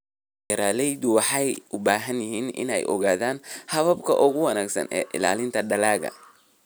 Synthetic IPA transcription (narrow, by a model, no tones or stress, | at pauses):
ɐɾaːlɛjðʊwɑħɑjʔʊbaːɦɐnjɪɦiːnɪ̰nɛ̰jʔɔ̰ɣaːðaːnhɐβɐbkʰɐʔʊɣʊwɑnaːɡsɐ̰nɛ̰ːʔɪ̰la̰ːlɪnt̪ʰɐɖɐlaːɣɐ̰